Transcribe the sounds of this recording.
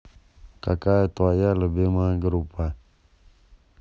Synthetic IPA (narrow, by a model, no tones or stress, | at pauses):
kakaɛt̪oajaləbɪmaɡəɾupa